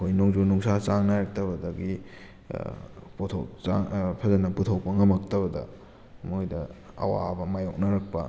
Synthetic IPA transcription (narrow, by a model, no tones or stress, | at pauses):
kʰojnoŋd͡ʒonuŋsat͡ʃaŋnaɾɐk̚tɐbɐdɐɡi | potʰo̰wt͡ʃa̰ŋpʰɐzɐnɐputʰɐwpɐŋɐmɐk̚tɐβɐdɐ̰ | mojdɐ | ɐ̰wa̰bɐmajok̚nɐɾɐk̚pɐ̰